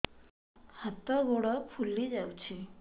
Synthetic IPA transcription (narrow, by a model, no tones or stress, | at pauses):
hat̪əɡoɽəfʰulːid͡ʑawt͡ɕi